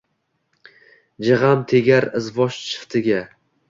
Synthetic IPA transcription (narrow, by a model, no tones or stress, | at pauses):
d͡ʒɪʁamt̪ʰeɡʲaɾɪzvɒʃt͡ʃʰɨ̥ft̪ʰɪɡʲa